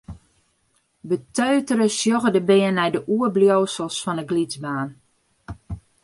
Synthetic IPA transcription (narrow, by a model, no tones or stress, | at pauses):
bətøːtəɾəsjoɣədəbɪənːɛjdəʔuərbljowsəlˠsfɔnəɡlizbaːn